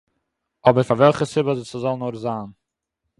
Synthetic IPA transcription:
ɔbəɾfaɾvɛlˠχəsɪbəzɪt͡səzɔlˠn̩oɾzaːn

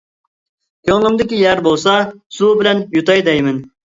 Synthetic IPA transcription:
kʲʰøŋlˠɨmd̪ɪkʲijæɾbolˠsɑsubɪlɛnjut̪ɑjd̪ɛjmɪn

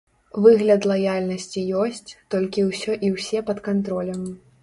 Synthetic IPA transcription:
vɨɣlʲɐd̪lˠajalʲnɐsʲt͡sʲijɔsʲt͡sʲt̪ɔlʲkʲiwsʲɔʔiwsʲɛpɐt̪kant̪ɾɔlʲɐm

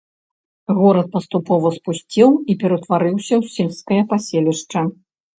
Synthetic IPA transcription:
ɣɔɾɐt̪̚pɐst̪upɔvɐspusʲt͡sʲiwipʲɛɾɐt̪vaɾɨwsʲɐwsʲilʲskɐjɐpasʲelʲiʂt͡ʂɐ

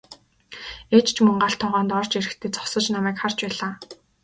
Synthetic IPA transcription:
eːt͡ɕt͡ɕʰmɵŋɢaɬt̪ʰːɔʁɔːnt̪ɔrt͡ɕeɾɘ̆xt̪ʰeːt͡sʰɔ̥χsə̆t͡ɕnamæːkχar̥t͡ɕpæːɮaː

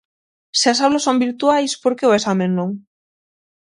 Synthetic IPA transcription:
seasaβlasːombiɾt̪uajspoɾkeoesamẽnːoŋ

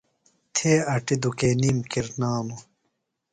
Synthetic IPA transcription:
t̪ʰeːɐʈid̪ukeːniːmkiɾnaːnu

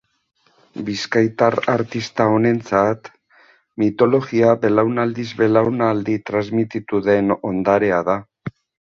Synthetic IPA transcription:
biskajt̪aɾaɾt̪ist̪ao̞ne̞nt͡sat̪ | mit̪o̞lo̞ɣiaβe̞lawnald̪izβe̞lawnald̪it̪ɾazmit̪it̪uðe̞no̞̰nd̪aɾe̞aða

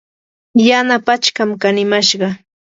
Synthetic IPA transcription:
janapat͡ʃkamkanɪmaʃɢɑ

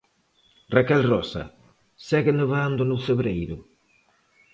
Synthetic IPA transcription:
rakɛlrɔsɐ̰ | sɛɣɪneβand̪ʊnʊfeβɾejɾʊ

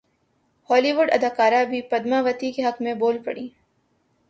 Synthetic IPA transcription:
hɔːliːʋʊɖɐd̪aːkaːɾabʱipɐd̪maʋɐt̪ikeɦɐkmẽboːlpɐ̰ɽĩː

